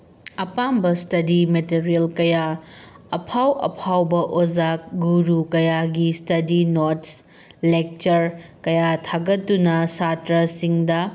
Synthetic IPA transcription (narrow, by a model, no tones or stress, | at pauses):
ɐpambɐstɐdimeteɾijɐlkɐja | ɐpʰawɐ̰pʰawbɐʔozak̚ɡuɾukɐjaɡistɐdinots | lek̚t͡ʃɐɾkɐjatʰaɡɐtːunɐsatɾɐsiŋdɐ